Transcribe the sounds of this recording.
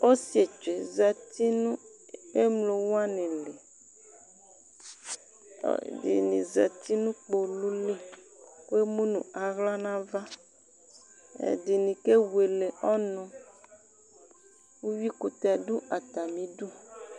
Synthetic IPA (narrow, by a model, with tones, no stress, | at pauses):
o˦si˦e˨t͡ʃe˨za˨t̪i˦nũ˦e˦mlo˨wo˦a˦nẽ˨le˨ | dḭ˨nḭ̃˨za˨t̪i˦nũ˦k͡po˨lu˦le˦ku˦e˦mũ˦nṵ̃˨a˨ɣla˦nã˦va˦ | ḛ˨di˨nĩ˨ke˦we˨le˨ʔɔ˦nɔ̃˦ | wu˦wi˦ku˨t̪ɛ˨du˦ʔa˨t̪a˨mĩ˨ɖu˦